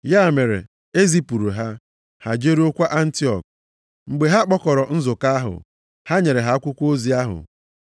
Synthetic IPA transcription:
ja˦˨me˨ɾḛ˨ | e˦zi˦pu˨ɾu˨ɦa˦ | ha˨d͡ʒe˦ɾi˦ʊ˦kʷa˦ʔa˦n̩˦ti˦ɔ̰˨k̚ | ŋ͡m̩˨ɡ͡be˨ɦa˦k͡pɔ˦kɔ˨ɾɔ˨n̩˦zʊ˨ka˦a˦ɦʊ̰˨ | ha˦ɲe˨ɾe˨ɦa˦kʷʊ˦kʷo˦zi˨a˦ɦʊ̰˨

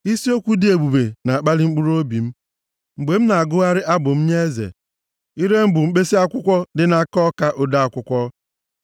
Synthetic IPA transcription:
i˦si˦o˦kʷu˦dɪ˨e˨ɡ͡bu˨be˨na˨a˨k͡pa˦lɪ˦ŋ͡m̩˦k͡pu˦ɾo˦bi˨m̩˦ | ŋ͡m̩˨ɡ͡be˨m̩˦na˨a˨ɡʊ˦ɣa˦ɾɪ˦ʔa˦bʊ˨m̩˦ɲe˦zḛ˨ | i˦ɾe˦m̩˦bʊ˨ŋ͡m̩˦k͡pe˦si˦a˦kʷʊ˦kʷɔ˦dɪ˦na˦˨kɔ˦ka˦ʔo˦da˦a˨kʷʊ˦kʷɔ˦

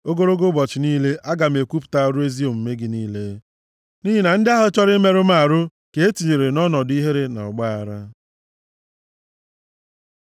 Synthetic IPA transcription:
o˦ɡo˦ɾo˦ɡʊ˦bɔ˨t͡ʃɪ˨niː˦le˦ʔa˦ɡa˨m̩e˨kʷu˦pʊ̥˨ta˦ɾu˦e˦zi˦o˨m̩˨me˦ɡɪ˨niː˦le˦ | ni˦ɦi˨na˨n̩˦dɪ˦a˦ɦʊ˦t͡ʃɔ˦ɾɪ˦me˦ɾʊ˦m˦a˨ɾʊ˦ | ke˨e˦ti˨ɲe˨ɾe˨nɔ˦nɔ˨di˦ɦe˦ɾe˦na̰˨ɔ̰˨ɡ͡ba˦a˨ɾa˦

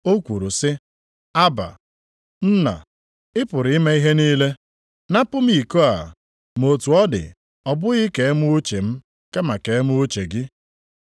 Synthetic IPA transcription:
o˦kʷu˨ɾu˨sɪ˦ | a˦ba̰˨ | n̩˦na̰˨ | ɪ˦pʊ˨ɾɪ˨˦ɪ˦me˦i˦ɦe˦niː˦le˦ | na˦pʊ˦m̩˦i˨ko˦a̰˨ | mo˨tu˨ɔ˦dɪ̰˨ | ɔ˨bʊ˦ɣɪ˦ke˨e˦mu˦o˦t͡ʃe˨m̩˦ | ke˦ma˨ke˨e˦mu˦o˦t͡ʃe˨ɡɪ˦

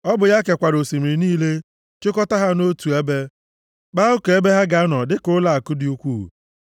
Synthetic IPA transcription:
ɔ˦bʊ˨ja˦ke˨kʷa˨ɾo˨si˨mi˨ɾi˨niː˦le˦ | t͡ʃʊ˦kɔ˦ta˦ɦa˦no˦tu˨e˦be˦ | k͡pa˦u˦ke˨e˦be˦ɦa˦ɡa˨˦nɔ˨dɪ˦kʊ˦la˦˨a˨kʊ˦dɪ˦u˦kʷu˦˨

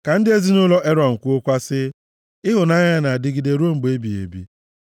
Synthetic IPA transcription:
ka˨n̩˦dɪ˦e˦zi˦nʊ˦lɔ˦ʔe˦ɾɔ˨ŋ̩˨kʷu˦ʊ˦kʷa˦sɪ˦ | ɪ˦ɦʊ˨na˦ɲa˦na˨a˨dɪ˦ɡɪ˨de˨ɾo˦ŋ͡m̩˨ɡ͡be˦bi˨ḛ˨bḭ˦

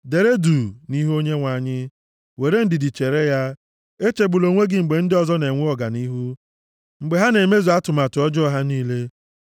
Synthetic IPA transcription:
de˨ɾe˦du˨ni˦ɦu˦o˦ɲe˦ŋʷa˨ɲɪ˦ | we˨ɾe˦n̩˦dɪ˨dɪ˨t͡ʃe˨ɾe˦ja˦ | e˦t͡ʃe˨ɡ͡bu˨lo˨ŋʷe˦ɡɪ˦ŋ͡m̩˨ɡ͡be˨n̩˦dɪ˦ɔ˨zɔ˦ne˨ŋʷʊ˦ɔ˨ɡa˨ni˦ɦu˦ | ŋ͡m̩˨ɡ͡be˨ɦa˦ne˨me˦zu˨a˦tʊ˨ma˨tʊ˨ɔ˦d͡ʒɔ˦ɦa˦niː˦le˦

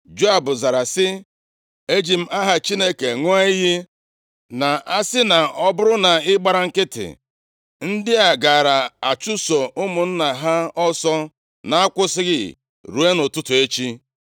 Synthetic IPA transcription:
d͡ʒo˦a˨bʊ˨za˨ɾa˨sɪ˦ | e˦d͡ʒi˨m̩˦a˦ɦa˦t͡ʃi˦ne˦ke˨ŋʷ˦a˦i˦ɦi˦ | na˨ʔa˦sɪ˦na˨ɔ˦bʊ˦ɾʊ˦na˨ɪ˦ɡ͡ba˦ɾa˨ŋ̩˦kɪ˦tɪ̰˨ | n̩˦dɪ˦a˨ɡa˨ɾa˨a˨t͡ʃʊ˦so˨ʊ˦mʊ˨n̩˦na˨ɦa˦ɔ˦sɔ˦ | na˨a˦kʷʊ˦sɪ˦ɣɪ˦˨ | ɾu˨˦e˦nʊ˨tʊ˦tʊ˨e˦t͡ʃi˦

